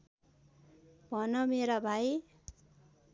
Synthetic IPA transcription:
bʱʌnʌmeɾabʱaj

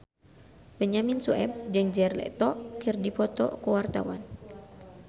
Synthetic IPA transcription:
bəɲaminsuɛ̰b̚d͡ʒɨŋd͡ʒɛrlɛ̰ʔt̪ɔkɨrdipɔt̪ɔ̰kuwart̪a̰wa̰n

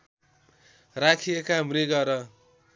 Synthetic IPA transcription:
rakʰiekamriɡʌɾʌ

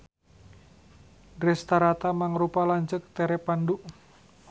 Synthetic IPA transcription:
dɾɛst̪aɾat̪amaŋɾupalaɲt͡ʃək̚t̪eɾɛpanduʔ

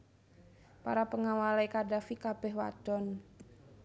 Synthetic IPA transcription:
pa̰ɾapəŋawalaikadafikab̥ɛhwa̰d̥ɔn

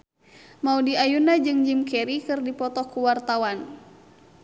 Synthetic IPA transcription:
maudiajunad͡ʒɨŋd͡ʒimkɛɾikɨrdipɔt̪ɔkuwart̪awan

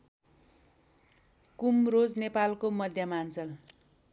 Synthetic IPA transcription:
kumrod͡znepalkomʌd̪ʱjʌmant͡sʌl

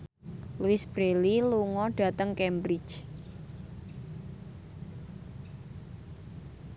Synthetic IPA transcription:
luɪsb̥ɾeliluŋɔɖ̥ä̤t̪əŋkɛmbɾi̥t͡ʃ

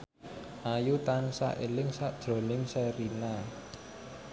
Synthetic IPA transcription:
ʔajut̪ansa̰ʔelɪŋsaʔd̥ʒ̥ɾo̤nɪŋsɛɾina

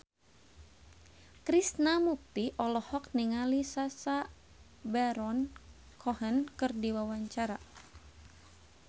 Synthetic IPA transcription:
kɾisnamuk̚t̪iʔɔlɔhɔk̚niŋalisasa | bɛɾɔn | kʰɔɦənkɨrdiwawaɲt͡ʃaɾa

